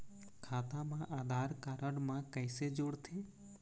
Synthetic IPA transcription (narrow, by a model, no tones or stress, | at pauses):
kʰaːt̪ãmãʔaːd̪ʱaːɾkaːɾəɽmãkəɪsed͡ʒoɽt̪ʰeː